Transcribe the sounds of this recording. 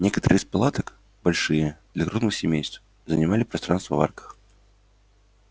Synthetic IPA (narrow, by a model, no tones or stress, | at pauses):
nʲɛkɐt̪əɾɨspalˠat̪ɐk | balʲʂɨjɐd̪lʲɐkɾuznɨxsʲɛmʲejst̪f | zɐnʲamalʲipɾast̪ɾanst̪vɐva̰rkɐ̥x